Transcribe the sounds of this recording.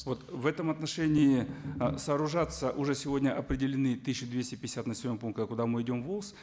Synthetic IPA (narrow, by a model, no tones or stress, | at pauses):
vo̞t̪vɛt̪əmɐt̪nɐʂɛnʲɪːɪsəːɾʊʐat̪səʔʊʐɛsʲɪvo̞dʲnʲəʔɐpɾʲɪdʲɪlʲɪnɨt̪ɨɕːʊd̪vʲesʲtʲɪpʲɪɪsʲat̪nəsʲɪvʲmompunkt̪əkʊd̪amɨɪdʲo̞mvolˠs